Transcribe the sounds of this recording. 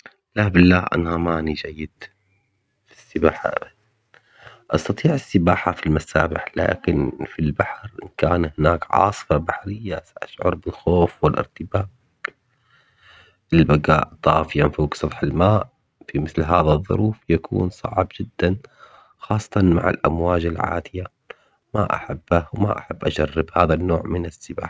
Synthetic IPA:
labɪlːaːʔa̰namaːnid͡ʒajːɪd̪̥ | fi̥sːɪbaːħa̰ | ʔɑst̪ɑt̪ˤiːʕɪsːɪbaːħafilmasa̰ːbɪħla̰ːkɪnfilbaħɾnkaːnhɪnaːkʕɑ̰ːsˤɨ̥fabaħɾɪjːasaʔaʃʕʊ̰ɾˤbɪlxoːfwɪlʔɪ̰ɾt̪ɪbaːb | ʔɪlbaɡa̰ːʔt̪ˤɑːfɪjanfoːɡsˤɑt̪ˤħalmaːʔ | fimɪθlɦaːðaðˤːʊ̰ɾuːfjakṵːnsˤɑ̰ʕbd͡ʒɪd̪ːan | xɑːsˤːɑ̥t̪ˤɑnma̰ʕa̰lʔa̰mwaːd͡ʒɪlʕa̰ːd̪ɪja | ma̰ʔa̰ħabːawma̰ʔa̰ħabːʔaʃarːɪbhaːðanːoːʕmɪnɪsːɪba̰ːħa

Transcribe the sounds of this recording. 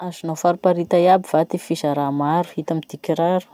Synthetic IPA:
azinawfaɾupaɾit̪ajabivat̪ifizaɾamaɾu̥hit̪amid̪̥ikʲiɾaɾu̥

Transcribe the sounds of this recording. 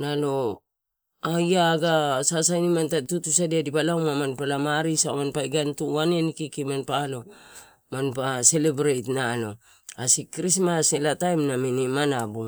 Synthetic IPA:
nalo̞ | ajaɡasasajnimantatutusadiadibalawmamanpalamaɾisamanpajɡantuanenikikimanpaːlo̞ | manpase̞lebɾejtnalo̞̰ | asikɾismaselatajmnaminimanabu

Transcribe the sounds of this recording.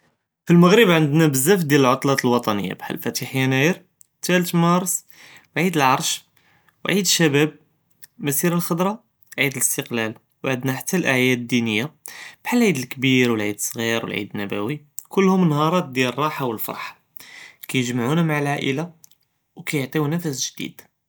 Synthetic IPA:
filməɣɾəbʕənd̪næbəzːæfd̪jæləlʕot̪ˤlɑt̪əlwɑt̪ˤɑnə̰jːa̰bħa̰lfæt̪iħjænæjəɾ | t̪ælt̪mɑɾˤs | wʕid̪əlʕɑɾˤʃ | wʕid̪əʃːæbæb̚ | mæsiɾəlxəd̪ɾˤɑ | ʕid̪ələst̪əqlæl | wʕəd̪næħat̪ʰːælʔæʕjæd̪d̪ːinəjːab̥ħalʕid̪əlkbiɾwəlʕid̪əsˤːɣiɾwə̰lʕḭd̪ənːæbæ̰wi | kʊlːhʊmnhɑɾˤɑt̪̚d̪jælrˤːɑħawəlfɑ̰ɾˤħḁ | kæjəʒmʕunæmaʕəlʕaʔəla | wkæjəʕt̪ˤiwnæfæsʒd̪ḭd̪̥

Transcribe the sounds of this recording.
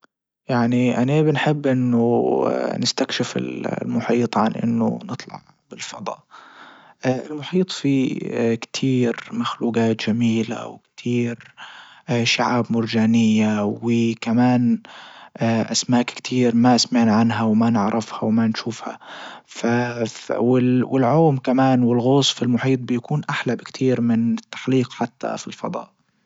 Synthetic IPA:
jaʕniʔanabɪnħɪbːʔɪnːʊ | nɪst̪akʃɪfɪ̰llmʊħiːt̪ˤʕa̰nʔɪ̰nːʊ̰nɨt̪ˤlɑ̰ʕ | bɪlfɑd̪ˤɑ̰ː | ʔɪlmʊħiːt̪ˤfikt̪ʰiːɾmaxluːɡaːt̪d͡ʒamiːla̰wkt̪ʰiːɾ | ʃaʕaːbmʊɾd͡ʒaːnɪjːawɪkamaːn | aʔa̰smaːkkt̪ʰiːɾmaʔasmaʕnʕanɦawmanɪʕɾˤʔɪfhawmanʃuːfha̰fawɪwɪlʕoːmkamaːnwɪlɣʊsˤfɪlmʊħiːt̪̚ˤbɪjakuːnʔaħlabkt̪ʰiːɾmɪnɪt̪ːḁħliːqħat̪ːa̰filfɑ̰d̪ˤɑ̰ːʔ

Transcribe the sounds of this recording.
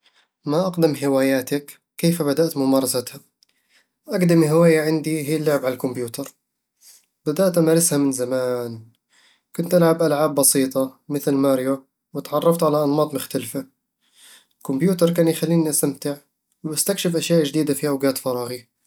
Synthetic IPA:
maʔaqd̪ɪmɦɪwaːjaːt̪akː | eːfabad̪aʔt̪mʊmɑːɾˤɑsat̪ha | ʔaɡd̪ɪmiɦɪwaːjaʕɪnd̪iɦiːlːʊʕɪbʕalalkʊmbjuːt̪ɑɾˤ | bad̪aʔt̪ʔamaːɾˤɪshamɪnzamaːn | kʊnt̪ʔalʕabʔalʕaːbːɑsiːt̪ˤɑmɪθlmaːɾjo | wɪt̪ʕɑrˤːɑft̪ʕalaʔɑnmɑːt̪ˤmʊxt̪alfa | kʊmbjuːt̪ɑɾˤkaːnjxalːiːniʔast̪amt̪ɪʕ | wbast̪akʃɪfʔaʃjaːʔd͡ʒd̪iːd̪afiʔawɡaːt̪fɑɾˤɑːɣi

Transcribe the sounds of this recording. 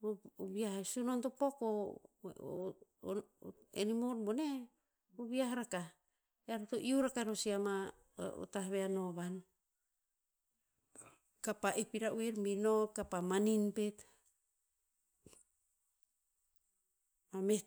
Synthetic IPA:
βiaɦesunontopoko | ḛnimoɾbone | oβiaɦaɾaka | eaɾatoʔiuɾakaeɾosiama̰ | o̰taβeanoβan | kapaʔepiɾaʔuiɾminokapamaninpet | mame

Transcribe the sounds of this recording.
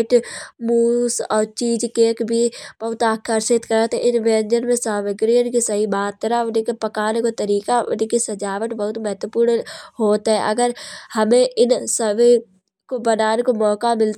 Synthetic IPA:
ʈmuːsɔːɾt͡ʃiːd͡ʒkeːkbʱib̥ɐɦʊt̪aːkʰːaɾsɪt̪kəɾat̪eʔɪnʋɛ̃ːnd͡ʒənmẽsaːməɡɾijənkisɐɦibaːt̪ːəɾaʊnekepɐkaːnekot̪ɐɾiːkaʊ̰nkisɐd͡ʒaːʋəʈbɐɦʊt̪mɛɦət̪wəpuːɾnɦoːt̪ɦɛ̰ʔɐ̰ɡəɾhɐmẽʔɪnsəʋe | kobənaːnekomɔːkamɪl

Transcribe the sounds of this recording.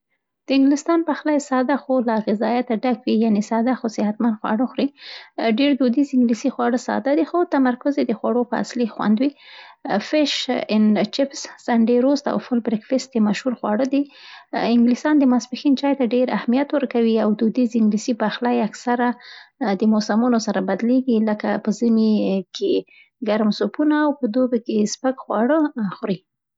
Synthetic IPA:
d̪̥əɪŋɡlɪst̪ɑnpaxlajsɑd̪axolaɣɪzɑjat̪aɖakwijanesɑd̪axosɪhat̪mand̪xwɑ̰ɽoxɾiɖeɾd̪ud̪izɪŋɡlisixwɑɽəsɑ̰d̪ad̪ixot̪amaɾkʊzed̪əxwaɽopəa̰slixwa̰nd̪wi | fɪʃɪnt͡ʃɪpssaɳɖeɾost̪a̰wfʊlbɾɪkfɪst̪emaʃhuɾxwɑɽəd̪iɪŋɡlisɑnd̪əmasbɪxint͡ʃɑjt̪aɖeɾa̰hmijat̪wəɾkawiawd̪ud̪izɪŋɡlisibaxlajaksaɾad̪əmosamunosaɾabad̪leɡiləkapəzəmikʰe | ɡaɾmsopunaːwpəd̪obekespəɡxwɑɽəxɾi

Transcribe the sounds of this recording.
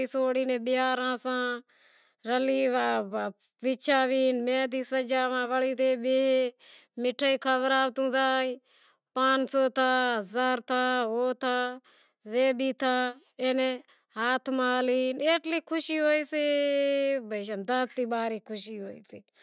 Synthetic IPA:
iːsoːɽiːnẽːɓɪjaːɾãːsãː | ɾəliːʋaː | ʋɪt͡ʃʰaːʋiːnmẽːd̪iːsəd͡ʒaːʋãːʋəliːt̪eːɓeːɦeːmɪʈʰːaːiːkʰəʋɾaːʋt̪ũːzaːiː | paːnsoːt̪ʰaːɦəzaːɾt̪ʰaːɦoːt̪ʰaː | zeːbiːt̪ʰaː | eːneː | ɦaːt̪ʰmaːliːneːʈliːkʰʊʃiːɦoːiːsiː | bəʃ̬ə̃nd̪ast̪iːɓaːɾiːkʰʊʃiːɦoːḭːsiː

